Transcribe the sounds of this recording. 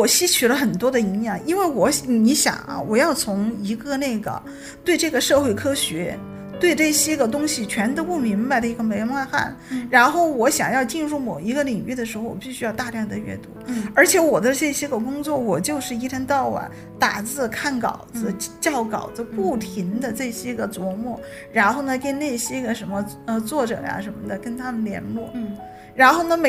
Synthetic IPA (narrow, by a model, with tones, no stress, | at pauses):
wɔ˨˩ɕi˥t͡ɕʰy˨˩lə˦xə˨˩nt̪wɔ˥d̪ə˨i˧˥ŋjɑ˨˩˦ŋi˥nwe˥˩ɪwɔ˧˥ni˧˥ɕjɑ̰˨˩˦ŋɐ̰˦wɔ˨˩jɑ˥˩ʊt͡sʰʊ˧˥ŋi˧˥ɡə˧ne˥˩ɪɡə̰˩ | t̪we˥˧ɪʈ͡ʂɤ˥˩ɡə˩ʂɤ˥˧xwe˥˩ɪkʰɤ˥ɕɥɛ˧˥ | t̪we˥˧ɪʈ͡ʂɤ˥˩ɕjɛ˥ɡə˨t̪ʊ˥ŋɕi˨t͡ɕʰɥɛ˧˥nt̪ə˧˥pu˥˩mi˧˥nba˧ɪd̪ə˩i˧˥ɡə˧me˧˥ɪma˥˧xa̰˥˩n | ɻa˧˥nxo˥˩ʊwɔ˧˥ɕjɑ̰˨˩ŋjɑ˥˧ʊt͡ɕi˥˧nɻu˥˩mo˨˩ʊi˧˥ɡə˧li˨˩ŋy˥˩d̪ə˩ʂɻ̩˧˥xo˥˧ʊwɔ̰˨˩pi˥˩ɕy˥jɑ˥˧ʊt̪a˥˧ljɑ˥˩ŋd̪ə˧ɥɛ̰˥˩t̪wɔ˥ə˞˧˥t͡ɕʰjɛ˧˥wɔ˨˩d̪ə˦ʂɤ˥˩ɪɕjɛ˥ɡə˧k̬ʊ˥ŋt͡swɔ˥˩wɔ˨˩t͡ɕjo˥˧ʊʂɻ̩˥˩i˥ʈ͡ʂʰə˧˥nt̪ɑ˥˩ʊwa̰˨˩˦n | t̪a˨˩t͡sɹ̩˥˩kʰa˥˩nkɑ̰˨˩ʊd͡zɹ̩˧t͡ɕjɑ˥˩ʊkɑ˨˩ʊd͡z̩˦˥pu˥˩t̪ʰi˧˥ŋd̪ə˧ʈ͡ʂɤ˥˩ɕjɛ˥ɡə˧t͡swɔ˧˥mwɔ˥˩ | ɻa˧˥nxo˥˩ʊnə˩kə˥nne˥˩ɪɕjɛ˥ɡə˧˨ʂə˧˥nmə˧ə˧t͡swɔ˥˩ʈ͡ʂɤ̰˨˩ja̰˦ʂə˧˥nmə˧˩d̪ə˨˩kə˥nt̪ʰa˥mə˨nljɛ̰˧˥nlwɔ˥˩ | ɻa˧˥nxo˥˩ʊnə˩me˧˥